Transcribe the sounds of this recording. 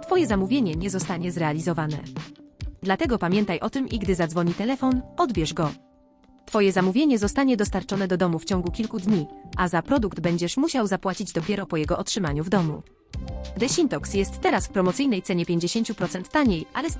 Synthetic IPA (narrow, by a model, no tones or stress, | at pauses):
t̪fɔjɛzamuvʲjeɲɛɲɛzɔst̪aɲɛzɾɛalʲizɔvanɛ̰ | d̪lat̪ɛɡɔpamʲjɛnt̪ajʔɔt̪ɘmʔiɡd̪ɘzad̪zvɔɲit̪ɛlɛfɔnɔd̪bʲjɛʐɡɔ | t̪fɔjɛzamuvʲjeɲɛzɔst̪aɲɛd̪ɔst̪aɾt͡ʂɔnɛd̪ɔd̪ɔmuft͡ɕɔ̃ŋɡukʲilkud̪ɲiʔazapɾɔd̪uɡd̪bɛɲd͡ʑɛʂmuɕawzapwat͡ɕid͡ʑd̪ɔpʲjɛɾɔpɔjɛɡɔʔɔtʂɘmaɲuvd̪ɔmṵ | d̪ɛɕint̪ɔksjɛst̪ːɛɾasfpɾɔmɔt̪sɘjnɛjt̪sɛɲɛpʲjeɲd͡ʑeɕeɲt͡ɕupɾɔt̪sɛnt̪ːaɲejʔa̰lɛ